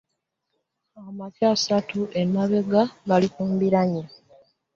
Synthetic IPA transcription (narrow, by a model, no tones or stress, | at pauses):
amacaːsatuʔemaβe̞ɡaɡalikuːmbiɾaɲa